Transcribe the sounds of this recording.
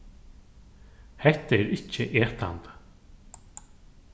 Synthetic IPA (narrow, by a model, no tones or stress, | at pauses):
hɛht̪aɛɾɪhcːɪʔɛːht̪a̰nt̪